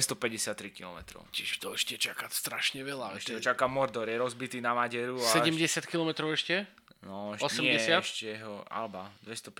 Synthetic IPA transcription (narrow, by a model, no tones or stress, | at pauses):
st̪ɔpɛɟɛsɪat̪ːɾikilɔmɛt̪ɾɔ̰ʊcɪɛʃt̪ɔɛʃcɛt͡ʃakacst̪ɾaʃɲɛʋɛlaɛʃcɛɦɔt͡ʃakamɔɾd̪ɔɾjɛɾɔzbit̪iːnamaɟɛɾusaɛɟɛmɟɛsɪat̪̚kilɔmɛt̪ɾɔʊɛʃcɛ | nɔɛʃɔsɛmɛsɪatɛʃcɛɛɦɔa̰lbad̪ʋɛst̪ɔp